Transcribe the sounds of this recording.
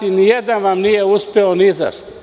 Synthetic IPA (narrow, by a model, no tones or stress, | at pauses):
inijed̪anʋamnijeuspʲeoniza̰ʃt̪a